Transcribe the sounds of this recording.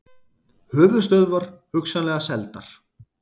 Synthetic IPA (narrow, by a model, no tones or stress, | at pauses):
hʏːvʏ̥st̪œɥðvaɾ̥hʏksanlɛɣasɛlt̪aɾ̥